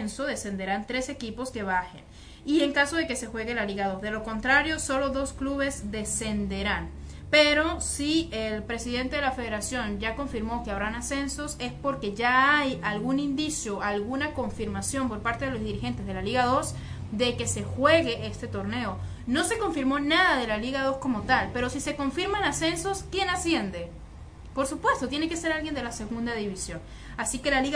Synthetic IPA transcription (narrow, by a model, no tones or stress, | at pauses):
nso̞ðe̞se̞nd̪e̞ɾant̪ɾe̞se̞kipo̞ske̞βaxe̞̰n | ie̞ŋkaso̞ðe̞ke̞se̞xwe̞ɣe̞laliɣaðozðe̞lo̞ko̞nt̪ɾaɾjo̞so̞lo̞ðo̞skluβe̞zd̪e̞se̞nd̪e̞ɾan | pe̞ɾo̞sielpɾe̞siðe̞nt̪eðelafe̞ð̞eɾasjo̞nd͡ʒako̞ɱfiɾmo̞ke̞aβɾanase̞nso̞se̞spo̞ɾke̞ʝaajalɣunind̪isjoalɣunako̞ɱfiɾmasjo̞mpoɾpaɾt̪eðe̞lo̞zðiɾixe̞nt̪e̞zðe̞laliɣaðo̞s | d̪e̞ke̞se̞xwe̞ɣe̞ʔest̪e̞t̪o̞ɾne̞o | no̞se̞ko̞ɱfiɾmo̞naðaðe̞laliɣaðo̞sko̞mo̞t̪alpe̞ɾo̞sise̞ko̞ɱfiɾmanase̞nso̞skje̞nasje̞nd̪e̞ | po̞ɾsupwe̞st̪ot̪jene̞ke̞se̞ɾalɣje̞nd̪e̞lase̞ɣund̪aðiβisjo̞n | asike̞laliɣ